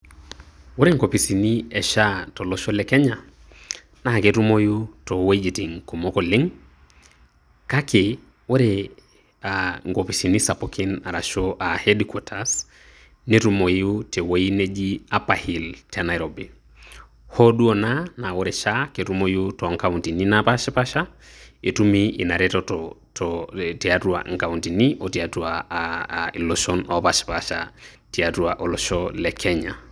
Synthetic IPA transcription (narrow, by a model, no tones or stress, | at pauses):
woɾeŋɡopisiniɛʃatɔlɔʃolɛkɛɲa | nakeɾumojutɔwoid͡ʒitiŋkomokɔlɪŋ | kake | woɾe | aŋɡopisinisapokʰinaɾaʃoʔahɛdikɔtʰas | niɾumoutewoined͡ʒiapahiltanajɾɔbi | hɔɗuɔnanawɔɾɛʃaketumɔjiutɔŋkauntininapaʃipaʃaetumiinaɾɛtɔtɔtɔtɛatua̰ŋkauntiniʔɔtiatua | ilɔʃɔnɔpaʃi̥paʃa̰ | tiatuaʔɔlɔʃɔlɛkʰɛɲa̰